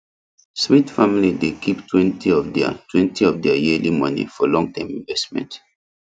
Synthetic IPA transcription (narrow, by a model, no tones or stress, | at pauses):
smitfamilidekʰiptʰwɛ̃ntʰiɔvdɛa̰twɛ̃ntiɔvdɛajiəlimʌnḭfɔlɔ̃ŋtãɪ̃mĩnvɛstmɛ̰̃nt